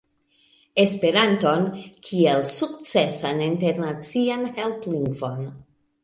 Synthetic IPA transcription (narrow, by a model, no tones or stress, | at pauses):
e̞spe̞ɾanto̞nkʰielsukt͡se̞saninte̞ɾnat͡sianhe̞lpliŋɡvo̞n